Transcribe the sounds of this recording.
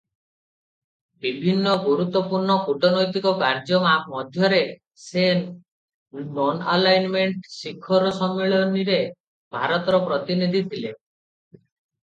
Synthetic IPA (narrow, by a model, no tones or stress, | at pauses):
bibʱinːɔɡuɾut̪ːwɔpuɾɳɔkuʈɔnɔjt̪ikɔkaɾd͡ʒɔmamɔd̪ʱjɔɾe | se | nɔnalajnmeɳʈsikʰːɔɾɔsɔmːeɭɔniɾe | bʱaɾɔt̪ɔɾɔpɾɔt̪inid̪ʱit̪ʰile